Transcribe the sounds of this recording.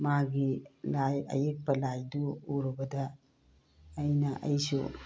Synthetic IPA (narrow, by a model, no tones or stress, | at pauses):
maɡilajɐ̰jek̚pɐlajduːɾubɐdɐ | jnɐʔɐjsṵ